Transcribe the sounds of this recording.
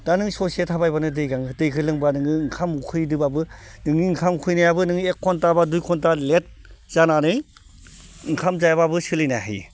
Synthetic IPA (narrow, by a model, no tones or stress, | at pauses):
d̥anɯŋsɔsetʰabajbanɯdɯjɡaŋɯdɯjkʰɯlɯŋbanɯŋɯŋkʰamkʰɯjdɯbabɯnɯŋniŋkʰamkʰɯjnajabɯnɯŋniekʰːɔntabadujkʰɔntalet̚ | z̥ananɯj | ŋkʰamzajababɯsɯlɯjnaɦḭ